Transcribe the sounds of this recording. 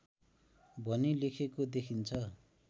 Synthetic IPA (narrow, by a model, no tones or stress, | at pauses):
bʱʌnilekʰekod̪ekʰint͡sʰʌ